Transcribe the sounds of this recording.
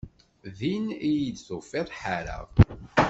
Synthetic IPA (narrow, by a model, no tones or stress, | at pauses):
ðinijid̪θofːɪðˤħaɾə̰vˤ